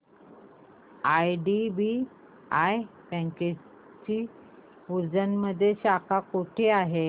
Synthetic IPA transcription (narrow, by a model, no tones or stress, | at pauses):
ajɖibi | ajpɛ̃ŋke | t͡ɕiː | uɾd͡zənməd̪ʱːjeɕakʰakoʈʰeaɦe